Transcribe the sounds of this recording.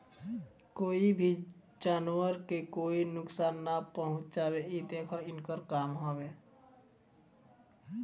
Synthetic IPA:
koːibʱi | d͡ʒaːnwəɾkekoːinʊksaːnːapəɦʊ̃t͡ʃd͡ʒaːbeit̪ẽkʰəɾɪnkəɾkaːmɦobe

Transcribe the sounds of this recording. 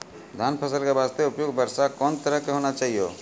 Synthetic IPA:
d̪ʱaːnpʰəsəlkebaːst̪eʊpjoɡbəɾsakɔːnt̪əɾəɦkeɦoːnat͡ʃaːɦijo̰ː

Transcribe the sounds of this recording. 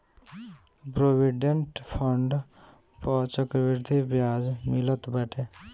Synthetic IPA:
pɾoʋiɖeɳʈpʰəɳɖ | pɔt͡ʃəkʋiɾd̪ʱibjad͡ʒmilət̪bəʈʰe

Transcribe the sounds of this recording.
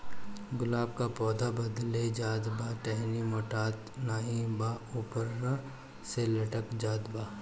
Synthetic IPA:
ɡʊlaːb̚kapɔːd̪ʱabɐd̪led͡ʒaːd̪baːʈɛɦnimoːʈaːt̪naːĩbauːpəɾna | selɐʈəkd͡ʒaːd̪baː

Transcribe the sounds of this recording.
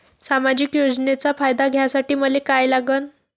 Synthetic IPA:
samad͡ʑikjod͡znet͡safajd̪aɡʱjasaʈiːməlekajlaɡən

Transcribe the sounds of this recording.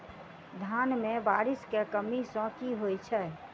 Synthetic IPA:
d̪ʱanmebaɾiskekəmisə̃kiɦojt͡ʃʰɛ

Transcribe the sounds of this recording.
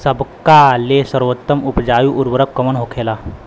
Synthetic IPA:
səbkalesəɾʋət̪ːəmupd͡ʑajuːʔuɾʋəɾəkkːəməɳɦokʰela

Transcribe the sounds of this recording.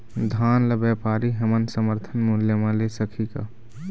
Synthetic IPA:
d̪ʱaːnləbapaːɾiɦəmənsəməɾt̪ʰənmʊljəmãlesəkʰika̰

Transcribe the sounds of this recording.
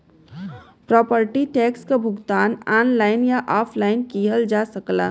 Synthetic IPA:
pɾɔːpəɾʈiʈɛːkskabʱʊɡt̪aːnanlaɪnjaʔɔːpʰlaɪnkiɦəld͡ʒasəkla̰

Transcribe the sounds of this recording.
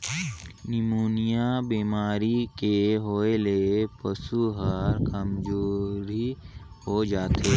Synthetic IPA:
nɪmuːnijabiːmaːɾikeɦoːelepəsuɦəɾkəmd͡ʒoːɾi | hod͡ʒaːt̪ʰeː

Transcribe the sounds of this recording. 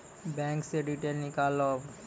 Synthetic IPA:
bɛŋkseɖiʈenikalɔb

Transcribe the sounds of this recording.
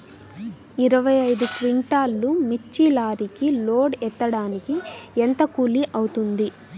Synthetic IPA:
iɾɐʋɐjɐjd̪ukʋiɳʈaːlːumit͡ʃːilaːɾikiloːɖɛt̪ːɐɽaːnikient̪ɐkuːliʔɐwut̪und̪i

